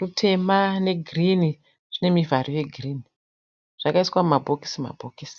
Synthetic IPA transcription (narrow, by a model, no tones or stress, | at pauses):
rutʰe̞mane̞ɡʱrini | ʐ̥ine̞mivʱarije̞ɡʱriːni | ʐ̥akaiswaumabʱoki̥sima̰bʱokisi̥